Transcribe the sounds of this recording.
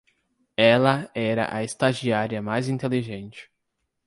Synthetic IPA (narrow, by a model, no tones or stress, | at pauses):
ɛlɐɛɾɐ̰ʔɐist̪aʒiaɾiɐmajzĩnt̪eliʒẽnt͡ʃɪ̥